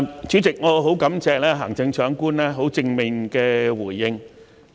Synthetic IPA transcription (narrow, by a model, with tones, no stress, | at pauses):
t͡ʃyː˨˥t͡sɪ˨k̚ŋɔː˨˧ɦo˨˥wkɐ˨˧˥mt͡sɛː˨˧k̚lɛː˥ɦaː˨˩ŋt͡sɪ˧ŋt͡sʰœː˨˥ŋkuː˥nlɛː˥ɦo˨˥wt͡sɪ˧ŋmɪ˨ŋkɛː˧wuː˨˩jːɪ˧ŋ